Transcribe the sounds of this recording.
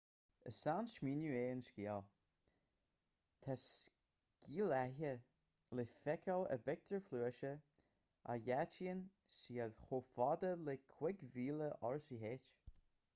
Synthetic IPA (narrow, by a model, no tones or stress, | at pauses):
ə̰sanʃmiːnjueːənskʲiːəl | t̪ʰas | kiːlɛɦə | lefɛkʰələ̰bɛk̚t̪əɹfluːəʃə | ʔa̰jat͡ʃiən | siːədxoːfɔd̪əlekʰw̥ɪɡviːləʔɔɹsiɦeːt͡ʃ